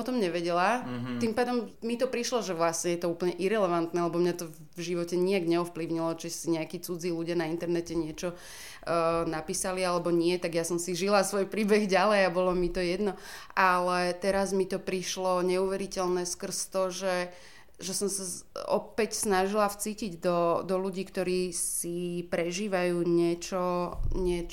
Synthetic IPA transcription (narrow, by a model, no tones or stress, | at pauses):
ɔt̪ɔmɲɛʋɛɟɛlat̪impaːd̪ɔmmit̪ɔpɾiʃlɔʒɛʋlasɲɛjɛt̪ɔuːpl̩ɲɛʔiɾɛlɛʋant̪nɛlɛbɔmɲat̪ɔ | vʒiʋɔcɛɲiaɡɲɛɔfpliʊɲilɔt͡ʃisiɲɛakiːt͡sud͡ziːluɟɪanaint̪ɛɾnɛcɛɲɪɛt͡ʃɔ | napiːsalialɛbɔɲɪɛt̪aɡjasɔmsiʒilasʋɔjpɾiːbɛɣɟalɛjabɔlɔmit̪ɔjɛd̪nɔalɛt̪ɛɾazmit̪ɔpɾiʃlɔɲɛuʋɛɾicɛlnɛskr̩st̪ɔʒɛ | ʒɛsɔmsaɔ̰pɛcsnaʒilaft͡siːciɟd̪ɔd̪ɔluɟiːkt̪ɔɾiːsipɾɛʒiːʋajuːɲɪɛt͡ʃɔɲɪɛ